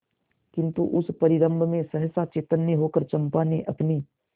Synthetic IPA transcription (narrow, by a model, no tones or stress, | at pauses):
kɪ̃nt̪uʔʊspɐɾɪɾə̃mbʱmẽsɐɦsat͡ʃeːt̪ənːjəɦoːkəɾt͡ʃɐ̃mpaːneʔɐpniː